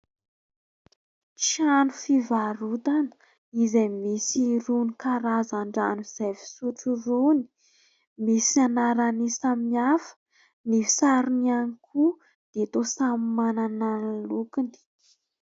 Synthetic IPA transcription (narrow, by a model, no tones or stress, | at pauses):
t͡ʃanufivaɾut̪anə̥ | izamisiɾunikaɾazaɳɖ͡ʐa̰nuz̥avi̥suʈ͡ʂuruni̥ | misanaɾanisamiafə̥ | mifi̥saɾunianikʰu | d̪̥et̪osammanananalukind̪i̥